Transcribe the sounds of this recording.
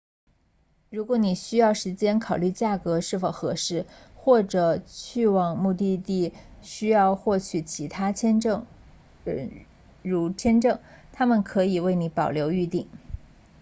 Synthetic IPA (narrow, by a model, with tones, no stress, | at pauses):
ɻu˧˥kwɔ˧˥ni˨˩ɕy˥jɑ˥˩ʊʂɻ̩˧˥t͡ɕjɛ˥nkʰɑ˨˩ʊly˥˧t͡ɕja˥˩kɤ˧˥ʂɻ̩˥˩fo˨˩ʊxɤ˧˥ʂɻ̩˥˩xwɔ˥˩ʈ͡ʂɤ˨˩t͡ɕʰy˥˧wɑ˥˩ŋmu˥˧t̪i˥˧t̪i˥˩ɕy˥jɑ˥˧ʊxwɔ˥˩t͡ɕʰy˨˩t͡ɕʰi˧˥t̪ʰa˥t͡ɕʰjɛ˥n˥˧˩ŋ˧ | ɻu˧˥t͡ɕʰjɛ˥nʈ͡ʂɤ˥˩ŋt̪ʰa˥mə˨nkʰɤ˧˥i˨˩we˥˩ɪni˧˥pɑ˨˩ʊljo˧˥ʊy˥˧t̪i˥˩ŋ